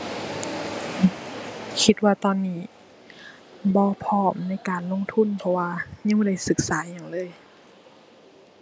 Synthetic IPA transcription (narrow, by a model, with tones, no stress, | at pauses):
kʰi˧t̪̚waː˧˩t̪ɔː˧˩˨nːiː˧˩ | bɔː˧˦pʰɔː˧˩mna˧˥˨jkaː˨˩nlo˧˥˨ŋt̪ʰu˧˥˨npʰɔ˧waː˧ɲa˧˨bɔː˧˨da˧˩jsɯ˧˦k̚saː˨˩˦ɲa˨˩ŋlɤː˧˥˨j